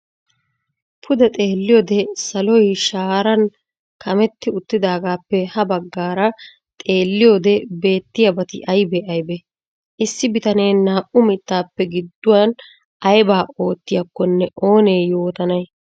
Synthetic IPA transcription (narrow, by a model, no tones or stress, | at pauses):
pʰʊd̪ɐt̪ʼeːlːɪjoːd̪ɛsɐlɔjʃaːɾɐn | kʰɐmɛt̪ːɪʊt̪ːɪd̪aːɡaːpːɛhɐbɐɡːaːɾɐ | t̪ʼe̞ːlːɪjo̞ːd̪ɛbe̞ːt̪ːɪjɐbɐt̪ɪ̰ʔɐjbɛʔɐjbɛ | ʔɪsːɪbɪt̪ɐneːnaːʔʊmɪt̪ːaːpːɛɡɪd̪ːʊwɐn | ɐjbaːo̞ːt̪ːɪjɐkːɔnːɛʔo̞ːneːjo̞ːt̪ɐnɐj